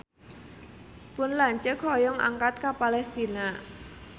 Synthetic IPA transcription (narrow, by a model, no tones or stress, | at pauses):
pʊnlaɲt͡ʃəkhɔjɔŋa̰ŋkat̪̚kapalɛst̪ina